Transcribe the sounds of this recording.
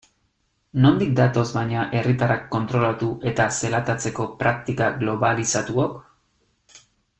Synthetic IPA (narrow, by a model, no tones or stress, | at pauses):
no̞nd̪ik̚d̪at̪o̞zbajɲaʔe̞rit̪arakːo̞nt̪ɾo̞lat̪uʔe̞t̪ase̞lat̪at͡se̞ko̞pɾak̚t̪ikaɡlo̞βalisat̪uok